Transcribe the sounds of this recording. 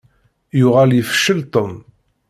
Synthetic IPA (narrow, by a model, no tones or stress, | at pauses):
jʊʁaljəfʃəlt̪ˤom